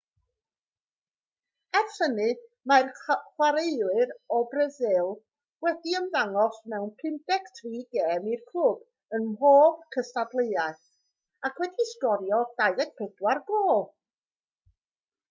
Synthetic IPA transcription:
ɛrfənɨ | marχwaɾeɨlɨɾɔbrəzɪlˠ | wɛdiəmðaŋɔsmɛwnpʰɪndɛktʰriːɡeːmirkʰʊb̥ | ənmɦoːvkʰəstadlˠeaɨθ | akʰwɛdiskɔɾjɔd̥aɨðɛɡ̚pʰɪdwarɡoːlˠ

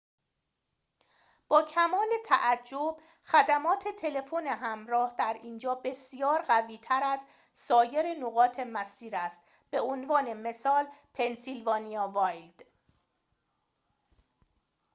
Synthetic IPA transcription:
b̥ɒːcʰæmɒːle̞t̪ʰæ̰ʔæd͡ʒːob̥ | xæd̪æmɒːt̪ʰe̞t̪ʰe̞le̞fo̞neɦæmɾɒːhd̪æɾiːnd͡ʒɒːbe̞sijɒːɾɢæviːt̪ʰæɾæz | sɒːje̞ɾenoɣɒːt̪ʰe̞mæsiːɾæst̪ | b̥e̞onvɒːne̞me̞sɒːlpʰe̞nsilvɒːnijɒːvɒːjld̪̥

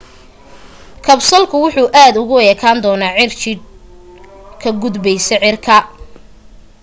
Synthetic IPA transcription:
kʰɐbsɐlkʰʊwʊħuːʔaːd̪ʊɣʊɛːkʰaːnd̪ɔːnaːʕɪrt͡ʃɪd̪̚ | kʰɐɡʊd̪bɛjsɛʕɪrkʰɐ

